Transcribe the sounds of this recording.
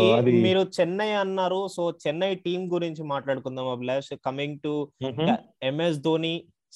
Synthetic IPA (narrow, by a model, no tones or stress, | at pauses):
d̪miːɾut͡ʃɛnːɐjɐnːaːɾusoːt͡ʃɛnːɐjʈiːmɡuɾiɲt͡ʃimaːʈlaːɽukund̪aːmɐbleːskɐmiŋɡʈuɐ | emes̬d̪oːni